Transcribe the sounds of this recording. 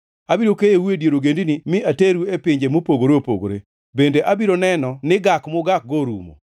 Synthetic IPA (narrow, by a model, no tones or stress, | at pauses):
abiɾokejewedjeɾoɡendinimɪateɾuepɪɲd͡ʒemopoɡoɾeopo̰ɡo̰ɾḛ | bendeʔabiɾonɛnɔnɪɡakmʊɡak̚ɡoɾṵmo̰